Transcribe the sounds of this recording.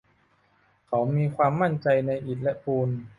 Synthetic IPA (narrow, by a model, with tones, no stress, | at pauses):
kʰa˩˦wmiː˧kʰwaː˧mːa˥˩nt͡ɕa˧jna˧jʔi˨˩t̪̚lɛ˦˥pʰuː˧n